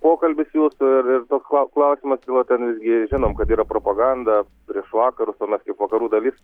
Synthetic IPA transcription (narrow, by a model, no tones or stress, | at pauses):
poːkɐlʲbʲɪsjuːsʊɪrɪrt̪oːksklˠɐʊklˠɐʊsʲɪmɐst̪ʲiːlˠot̪ʲɛnʋʲɪzʲɡʲɪʒʲɪnoːmkɐt̪iːɾɐpɾoːpɐɡɐnd̪ɐ | pʲɾʲiɛʃʋɑːkɐɾʊsoːmʲɛskɐɪpʋɐkɐɾuːd̪ɐlʲiːs